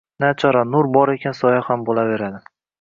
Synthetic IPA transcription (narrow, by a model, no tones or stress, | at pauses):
nat͡ʃʰɒɾanʊɾbɒɾe̞kʲʰansɒjahambolave̞ɾad̪ɪ